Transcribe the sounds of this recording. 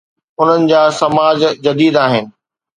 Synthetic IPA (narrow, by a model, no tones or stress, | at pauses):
ʊn̤ənɪ̆d͡ʑaːsɐmaːd͡ʑd͡ʑɐd̪iːd̪aːɦɪnɪ̆